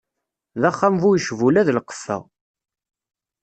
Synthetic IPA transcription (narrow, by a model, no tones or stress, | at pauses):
ðæχːamvujəʃvulæðlqə̥fːæ̰